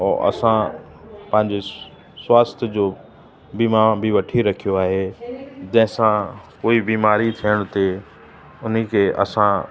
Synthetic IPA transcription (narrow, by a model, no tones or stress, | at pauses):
ɔːʔɐ̰sã | pɐ̃ɦɪ̃ɲd͡ʑe | swaːst̪ʰjəd͡ʑoː | biːmaːbʱiʋɐʈʰiɾɐkʰijoaːɦed͡ʑɐ̃ɦɪ̃sãkoːibiːmaːɾit̪ʰijəɽ̃t̪e | ʊnikʰeʔɐ̰sã